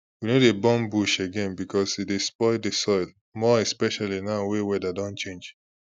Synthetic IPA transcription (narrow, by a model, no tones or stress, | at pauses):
winodebɔ̃mbuʃeɡɛ̃nbikʰɔsidespɔɪdesɔɪl | mɔɛspɛʃalinawewɛdadɔ̃nt͡ʃẽnd͡ʒ